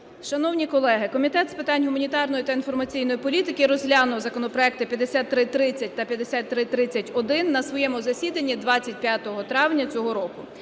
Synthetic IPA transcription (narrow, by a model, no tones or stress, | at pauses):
ʃɐnɔwnʲikɔlˠɛɦɪkɔmʲit̪ɛt̪spɪt̪ɑnʲɦʊmɐnʲit̪ɑrnɔjit̪ɐinfɔrmɐt͡sʲijnɔjipɔlʲit̪ɪkɪɾɔzɦlʲɑnʊwzɐkɔnɔpɾɔɛk̚t̪ɪpʲjɐd̪esʲat̪ːɾɪt̪ːɾɪt͡sʲɐt̚ʲt̪ɐpʲjɐd̪esʲat̪ːɾɪt̪ːɾɪt͡sʲːɐtʲɔd̪ɪnːɐsʋɔjɛmʊzɐsʲid̪ɐnʲːid̪ʋɑt͡sʲːɐt̚ʲpʲjat̪ɔɦɔt̪ɾɑwnʲɐt͡sʲɔɦɔɾɔkʊ